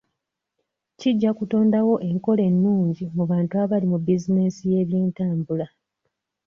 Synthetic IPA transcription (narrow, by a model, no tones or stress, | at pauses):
ciɟːakuto̞ːndawo̞ʔe̞ŋko̞le̞nːuːɲɟimuβaːntuaβalimubizine̞sije̞ːβjeːntaːmbula